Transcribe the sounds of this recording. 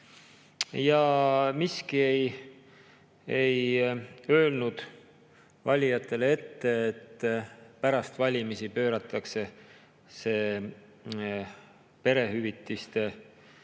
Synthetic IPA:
jɑmiskiej | ej | ø̞ːlnud̪̥ | vɑlʲijɑt̪ˑːe̞lee̞t̪ːe̞ːt̪ːpæɾɑst̪vɑlʲimisipø̞ːɾɑt̪ˑːɑkse̞ | se̞ː | pe̞ɾe̞ɦyvit̪ːˑist̪e̞

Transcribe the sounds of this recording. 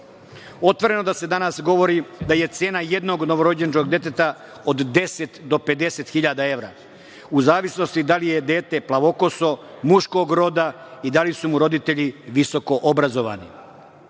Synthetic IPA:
o̞t̪ʋo̞ɾe̞no̞d̪ase̞d̪anasɡo̞ʋo̞ɾid̪aje̞t̪se̞ːnaje̞d̪no̞ɡno̞ʋo̞ɾo̞d͡ʑent͡ʃko̞ɡd̪je̞t̪et̪a | od̪d̪e̞set̪d̪o̞pe̞d̪e̞se̞t̪xiʎad̪ae̞ʋɾa̰ː | uzaːʋisno̞st̪id̪alije̞d̪e̞ːt̪e̞plaʋo̞ko̞so̞muʃko̞ɡɾo̞d̪a | id̪alisumuɾo̞d̪it̪e̞ʎiʋiso̞ko̞ʔobɾazo̞ʋa̰nḭ

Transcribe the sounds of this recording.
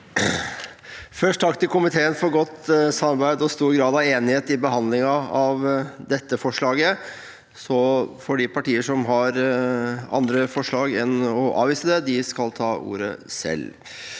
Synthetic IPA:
fœʂʈt̪ʰɑkt̪ɪlkʊmɪt̪ʰeːənfɔɾɡɔt̪ːsɑmɑɾbæɪd̪ɔst̪uːɾɡɾɑːd̪ɑʋeːnɪheːt̪ɪbəɦɑnd̪lɪŋɑɑʋd̪ɛt̪ːəfɔʂɭɑːɡə | sɔfɔɖɪpʰɑʈiːəʂɔmɦɑɾ | ɑ̰nd̪ɾəfɔʂɭɑːɡɛnɔʔɑ̰ːʋiːsəd̪ɛd̪ɪskɑlt̪ʰɑːʔṵːɾə̰sɛ̰l

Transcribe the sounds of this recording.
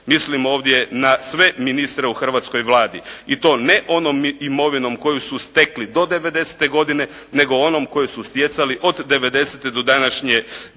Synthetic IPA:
mislimo̞ːʋd̪je̞nasʋe̞minist̪ɾeuxr̩ʋat̪sko̞jʋlaːd̪iit̪o̞ːneʔo̞noːmimo̞ʋino̞mko̞jusust̪e̞klid̪o̞d̪e̞ʋe̞d̪e̞se̥t̪e̞ɡo̞d̪ine̞ne̞ɡo̞ono̞mko̞jesust̪je̞t̪saliʔo̞d̪ːe̞ʋe̞d̪e̞set̪ed̪o̞d̪anaʃɲe

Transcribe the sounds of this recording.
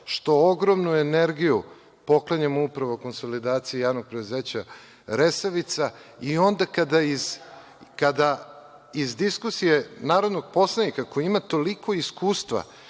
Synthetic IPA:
ʃt̪o̞oɡɾo̞mnueneɾɡiju | po̞klˠaɲamoupɾaʋoko̞nso̞lid̪aːt̪sijejaːʋno̞ɡ̚pɾed̪uzeːt͡ɕa | ɾesaʋit̪saio̞nd̪akad̪aiz | kad̪a | izd̪iskusije̞naːɾo̞d̪noɡ̚po̞slˠanikakojimat̪o̞liko̞iskuːst̪ʋa̰

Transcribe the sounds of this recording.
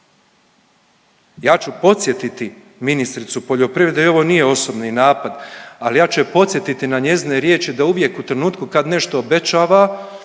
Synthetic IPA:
jaːt͡ʃupo̞t̪sʲje̞t̪it̪i | minist̪ɾit̪supo̞ʎo̞pɾiʋed̪ajo̞ʋo̞nije̞o̞so̞bninaːpad̪alijaːt͡ʃɛpo̞t̪sʲjet̪it̪inaɲe̞zineɾje̞ːt͡ʃid̪auʋje̞kut̪ɾe̞nuːt̪kukad̪ne̞ʃt̪o̞ːbe̞t͡ʃaːʋa

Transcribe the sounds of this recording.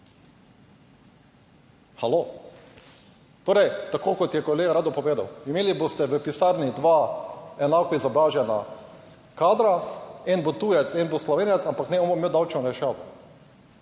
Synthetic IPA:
xalo | t̪oːɾɛjt̪akoːkɔt̪jɛkɔleːɡaɾaːd̪ɔpɔʋeːd̪a̰wimeːlibost̪ɛʋəpisaːɾnid̪ʋaːɛnaːkɔizabɾaːʒjɛna̰ | kaːd̪ɾaɛnbot̪uːjɛt̪sɛnboslɔʋeːnɛt̪sampaknɛomomewd̪awt͡ʃnɔɾɛʃaːʋɔ̰

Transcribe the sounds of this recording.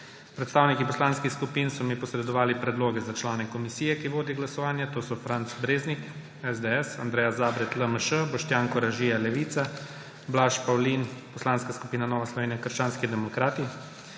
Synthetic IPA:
pɾɛt̪st̪aːwnikipɔslaːnskixskupiːnsɔmipɔsɾɛd̪ɔʋaːlipɾɛd̪loːɡɛzat͡ʃlaːnɛkɔmisiːjɛkiʋoːd̪iɡlasɔʋaːnjat̪oːsɔfɾant̪sbɾeːznik | ɛzd̪eɛsand̪ɾɛːjazaːbɾɛt̪ləməʃəbɔʃt̪jaːŋkɔɾaʒiːjalɛʋiːt̪sa | blaːʃpawlinpɔslaːnskaskupiːnanɔːʋaslɔʋeːnʲjakəɾʃt͡ʃaːnskid̪ɛmɔkɾaːt̪i

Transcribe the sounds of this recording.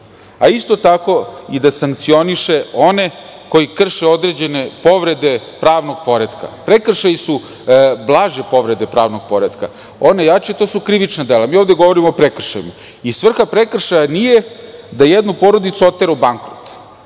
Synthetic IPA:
aist̪o̞t̪ako̞id̪asaŋk̚t̪sio̞niʃe̞o̞ne̞ | ko̞jikr̩ʃeo̞d̪ɾed͡ʑe̞ne̞po̞ʋɾe̞d̪e̞ | pɾaːʋno̞ɡpo̞ɾed̪ka̰pɾekr̩ʃajisu | blˠaːʒepo̞ʋɾe̞d̪e̞pɾaːʋnoɡ̥̚po̞ɾed̪ka̰ | onejaʈ͡ʂet̪o̞ːsukɾiʋit͡ʃnad̪e̞lamiːoʋd̪eɡo̞ʋo̞ɾimoːpɾekr̩ʃa̰jima | isʋr̩xapɾekr̩ʃajanijed̪ajed̪nupo̞ɾo̞d̪it̪suo̞t̪ːeɾaubaŋkɾot̪

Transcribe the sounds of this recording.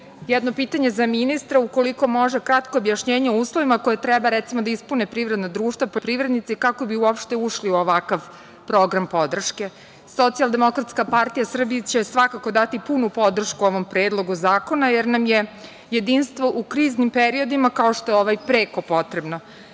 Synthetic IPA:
jɛd̪no̞piːt̪aɲe̞zaminist̪ɾauko̞liko̞mo̞ʒekɾat̪koːbjaʃɲeːɲeuːslˠo̞ʋimako̞jet̪ɾɛbaɾɛt̪simo̞d̪aispunepɾiːʋɾe̞d̪nad̪ɾuːʃt̪vappɾivɾed̪nit̪sikako̞biuopʃt̪euʃliuoʋakaʋ | pɾo̞ɡɾampo̞d̪r̩ʃke̞ | so̞t̪sijalˠd̪e̞mo̞kɾat̪skapaɾt̪ijasr̩bit͡ɕe̞sʋakako̞d̪at̪ipunupo̞d̪r̩ʃkuo̞ʋo̞mpɾeːd̪lˠo̞ɡuzaːko̞najeɾnamje̞ | je̞d̪inst̪ʋo̞ʔukɾiːznimpeɾio̞d̪imakao̞ʃt̪o̞jeoʋajpɾe̞ːko̞po̞t̪ɾe̞bno̞

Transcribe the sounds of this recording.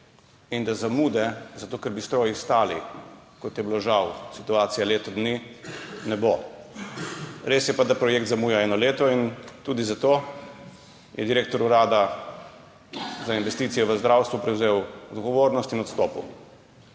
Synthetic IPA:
ind̪azamuːd̪ɛzat̪oːkɛɾbist̪ɾoːjist̪aːlikɔt̪jɛbiloʒawsit̪uaːt̪sijaleːt̪ɔd̪ninɛbo | ɾesjɛpad̪apɾɔjekt̪zamuːjaɛːnɔleːt̪ɔint̪uːd̪izat̪oː | jʔɛ̰d̪iɾeːk̚t̪ɔɾuɾaːd̪a | zainʋɛst̪iːt̪sijɔʋəzd̪ɾawst̪ʋupɾɛwzeːwɔd̪ɡɔʋoːɾnɔst̪inɔt̪st̪ɔːpṵ

